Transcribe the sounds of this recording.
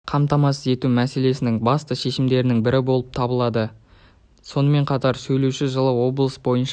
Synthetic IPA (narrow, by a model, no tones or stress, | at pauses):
qʰɑmt̪ɑmɑsəze̞t̪umæse̞le̞sɪnɪŋbɑst̪əʃe̞ʃɪmd̪e̞ɾɪnɪŋbɪɾɪbo̞lˠəp̚t̪ʰɑbəlˠɑd̪ə | so̞nəme̞ɴqʰɑt̪ɑɾsɵjlewʃɪʒəlˠəwo̞blˠəsbo̞jənʃ